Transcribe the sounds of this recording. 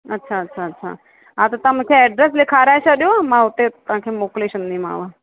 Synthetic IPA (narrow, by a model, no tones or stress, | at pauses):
ətːʃʰaətːʃʰaətːʃʰa̰ | at̪ot̪əmãkʰeɛɖɾeslekʰaɾaʃaɗjomãɦut̪et̪ãkʰemokleʃənnima̰ːʋa